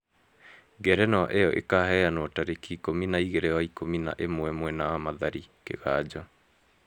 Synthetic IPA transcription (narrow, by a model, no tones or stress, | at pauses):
ɡɛɾɛnaʔejɔʔḛkahɛanwɔtaɾekiːkominaiɣeɾɛaikomina̰ʔemwɛmwɛnaamaðaɾikḛɣaːd͡ʑɔ